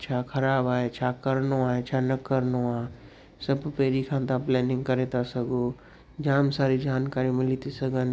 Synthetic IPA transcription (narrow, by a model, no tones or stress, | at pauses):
t͡ʃʰakʰɐɾaːbaːet͡ʃʰaːkəɾnoaːet͡ʃʰanəkːəɾnoaː | səbpeːɾikʰãːt̪ãplɛːnɪ̃ŋɡkəɾeːt̪asəɡoː | d͡ʒaːmsaːɾid͡ʒaːnkaːɾimɪlit̪isəɡən